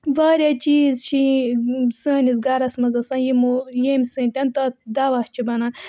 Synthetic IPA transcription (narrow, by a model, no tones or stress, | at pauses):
ʋaːɾjat͡ʃiːzt͡ʃʰi | sɐːnisɡɐɾɐsmɐzɐsɐ̃ːnjimujemʲsɨ̃ːnʈʲɐnt̪ɐːd̪aʋɐht͡ʃʰibɐnɐn